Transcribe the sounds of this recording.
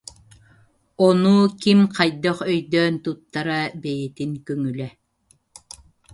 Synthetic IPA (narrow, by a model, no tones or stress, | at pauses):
ɔnuːkimqajd̪œχœjd̪œːnt̪ut̪ːaɾabɛjɛt̪iŋkœŋylɛ